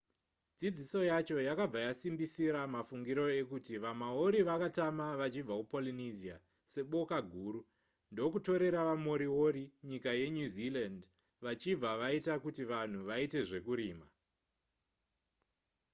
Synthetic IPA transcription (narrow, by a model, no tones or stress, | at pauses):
d͡zid͡ziso̞jat͡ʃo̞jakab͡vajasimbisiɾamafuŋɡiɾo̞e̞kutiʋamaoɾiʋakatamaʋat͡ʃib͡vakupolinizia̰ | se̞ɓo̞kaɡʱuːɾu | ndo̞kuto̞ɾe̞ɾaʋamo̞ɾiwo̞ɾiɲikaje̞ɲuziland | ʋat͡ʃib͡vaʋaitakutiʋan̤uʋaite̞ʐe̞kuɾiːma